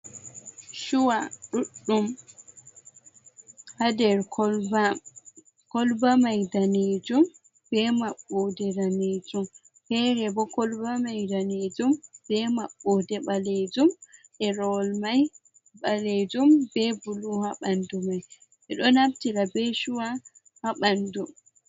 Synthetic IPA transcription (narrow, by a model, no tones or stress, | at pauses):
ʃuwaɗuɗːum | hadɛɾkɔb | kɔlbamajdaned͡ʒum | bɛmaɓːɔdɛdaned͡ʒum | pɛɾɛbɔkɔlbamajdaned͡ʒumb̥ɛmaɓːɔdɛɓaled͡ʒumʔɛɾɔlmaj | baled͡ʒumbɛbuluhaɓandumaj | ʔɛɗɔnamtiɾabɛʃuwa | haɓandum